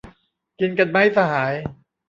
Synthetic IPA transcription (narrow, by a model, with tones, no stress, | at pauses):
ki˧nka˧nma˦˥˩jsa˧haː˩˦j